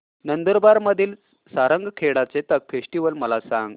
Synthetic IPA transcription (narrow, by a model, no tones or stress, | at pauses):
nənd̪əɾbaɾməd̪ʱiːl | saɾəŋɡʱkʰeɽat͡set̪ək̚fesʈiʋəlməlasã̰ŋɡ